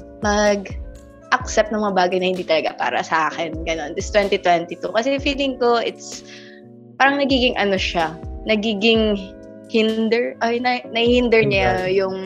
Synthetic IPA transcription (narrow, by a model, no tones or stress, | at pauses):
mɐɡ | ʔɐk̚sɛp̚t̪ɐŋmɐŋɐbaːɡɐjnɐhɪnd̪iːt̪ɐlɐɡa̰pa̰ːɾɐ̰sɐʔaːxɛnɡɐno̞nd̪ɪst̪wɛnt̪it̪wɛnt̪it̪ukɐsɛfiːlɪŋko̞ʔɪt̪s | paːɾɐŋnɐɡiːɡɪŋʔɐno̞ʃanɐɡiːɡɪŋ | hɪnd̪ɛɹʔɐjnɐnɐhihɪnd̪ɛɹɲajʊŋ